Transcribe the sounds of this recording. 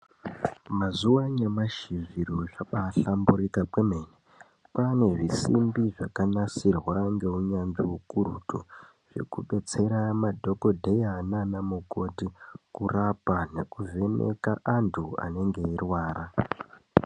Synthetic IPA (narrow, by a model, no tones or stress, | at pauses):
mazuwaɲemaʃiziɾoʐaɓaɬambuɾikapwemene | pane̞ʐisḭmbiʐakanasirwaŋɡe̞uɲanʐiukuɾṵtʰu | ʐ̥e̞̰kuɓe̞t͡se̞ɾamadʱo̞ko̞dʱe̞jananamuko̞tikurapane̞̰kuve̞nḛkaʔantʰua̰ne̞ŋɡe̞irwaːɾa